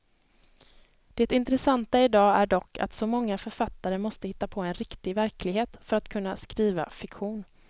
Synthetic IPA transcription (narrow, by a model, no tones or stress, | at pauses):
d̪̥ɛt̪ɪnt̪ɾɛsant̪aɪd̪ɑːæɖɔkːa̰t̪sɔmɔŋːafœɾfat̪ːaɾəmɔst̪əhɪt̪ːapʰɔːɛnɾɪkt̪ɪvæɾkʰlɪɡɦeːt̪fœɾat̪kʰɵnːaskɾiːva̰fɪkɧuːn